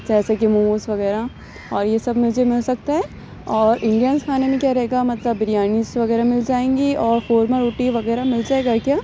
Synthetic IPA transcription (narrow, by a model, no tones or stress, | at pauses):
d͡ʒɛːsekɪmuusʋɐɣɛːɾa | ɔːɾjesɐbmʊd͡ʒʱemɪlsɐk̚t̪aɦɛː | ɔːɾʔɪ̃ɳɖijənzkʰaːnemẽkjaɾɐɦeːɡamɐt̪ləbːɪɾijaːnisʋɐɣɛːɾamɪld͡ʒaːẽːŋɡiɔːɾfoːɾmẽɾuːʈiʋɐɣɛːɾamɪld͡ʒaːeːɡakjaː